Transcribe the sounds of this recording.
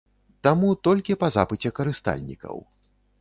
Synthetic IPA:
t̪amut̪ɔlʲkʲipɐza̰pɨt͡sʲɛkɐɾɨst̪a̰lʲnʲḭkɐ̰w

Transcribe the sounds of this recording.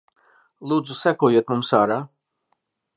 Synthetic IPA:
lˠuːd̪zusækuɔjuɔt̪mumsaːɾaː

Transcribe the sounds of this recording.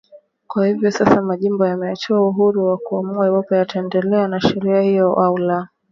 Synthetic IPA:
kwahivjɔsasamaʄimbɔjamɛat͡ʃuauɦuɾuwakuamuawapɛjataɛndɛlɛanaʃɛɾiahijɔʔaula

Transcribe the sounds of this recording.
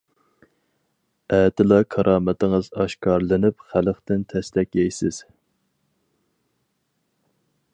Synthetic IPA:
æːt̪ʰɪlˠɑkʰɑɾʔɑːmɛt̪ɪŋɨzɑʃkɑɾlˠɨnɪpχæləχt̪ɪnt̪ʰɛslɛkʲɛjsɪz̥

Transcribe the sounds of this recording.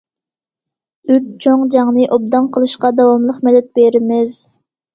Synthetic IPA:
yt͡ʃ̚t͡ʃʰoŋd͡ʒɑŋnɨʔob̚d̪ɑnqʰəlˠɨʃqɑd̪ɑwɑmlˠəqmɛd̪ɛt̪̚beɾɪmɪz

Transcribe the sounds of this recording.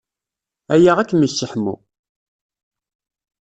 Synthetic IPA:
æjaʁækːməʃːəħmṵ

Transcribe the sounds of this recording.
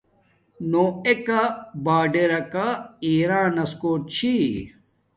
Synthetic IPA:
noːekabaːɖeɾɐkaiːɾãːnɐskoːʈ̚t͡ɕʰi

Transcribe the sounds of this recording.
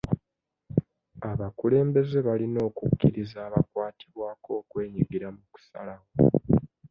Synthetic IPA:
aβakule̞ːmbe̞ze̞βalino̞ːkukːiɾizaːβakwaːtiβwaːko̞ːkwe̞ːɲiɡiɾamuku̥sa̰lawo

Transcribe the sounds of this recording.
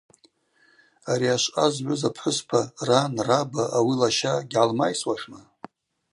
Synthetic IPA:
aɾiaʃʷazʕʷʊzapʰħʷʊspʰaranrabaʔawilaʃaɡʲʕalmajswaʂna

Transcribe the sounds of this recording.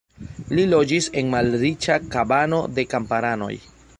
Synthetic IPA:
lilo̞d͡ʒise̞nmalɾit͡ʃakabano̞de̞kampaɾano̞̰j

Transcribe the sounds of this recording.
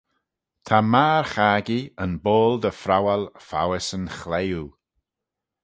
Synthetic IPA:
t̪ʰamaːɹxaːɡiənboːld̪əfɾawalfa̰wɪsənxleju

